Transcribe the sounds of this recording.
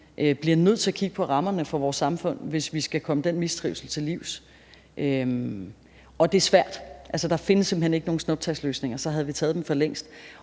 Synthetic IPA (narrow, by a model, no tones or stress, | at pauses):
ʔøb̥liɐnøð̞̰ˠt͡sʰe̝æɐkʰiɡ̥əpʰɒ̽ʁɑ̈mɐnəfɒ̽ʋɒːsːɑ̈mfɔ̽n̰ʋe̝sʋisɡ̥ækʰɒ̽məd̥enmisd̥ʁiʊsl̩t͡sʰe̝liʊ̰s | ʔø | ɒ̽d̥e̝æɐsʋæɐ̰d̥ʔælsəd̥ɑ̈fe̝nəsːem̰b̥̩hene̝ɡ̥əno̝ːŋn̩sno̽b̥̚t͡sʰæslø̰ːsne̝ŋɐsɒ̽ɦæð̞̩ˠʋit͡sʰɛːð̞ˠd̥emfɒ̽leŋ̰sd̥